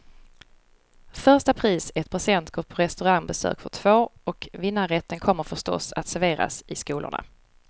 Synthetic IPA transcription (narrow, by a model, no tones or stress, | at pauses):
fœʂʈapʰɾiːsɛt̪̚pʰʊsɛnt̪ɡ̥oːɾpʰɔɾɛst̪ɵɾaŋbɛsø̰ːkfœʈʰv̥oːɔkvɪnːaɾɛt̪ʰːənkʰɔmːəɾfœʂtɔ̰sat̪sæɾveːɾa̰sɪskuːlʊ̰ɳa̰